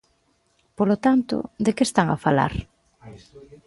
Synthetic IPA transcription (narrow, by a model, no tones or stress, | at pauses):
polot̪ant̪ʊ̰d̪ekest̪aŋa̰fala̰ɾ